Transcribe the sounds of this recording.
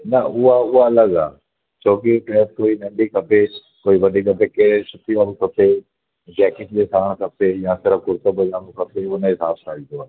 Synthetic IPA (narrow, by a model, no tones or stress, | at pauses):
nɐʊɦaʊɦaɐləɡa̰ː | t͡ɕʰoːkiʈɾɛːskoːinɐ̃ɳɖikʰɐpʰe | koːiʋɐɖʱikɐpekeɦɽesʊt̪iʋanũkʰɐpe | d͡ʑɛːkɪ̃kd͡ʑeːsaːɽ̃kʰɐpejãsɪɾəfkʊɾt̪əbʊd͡ʑaːnũkʰɐpʰeʊnəɦɪsaːbʈʰaːit̪oaː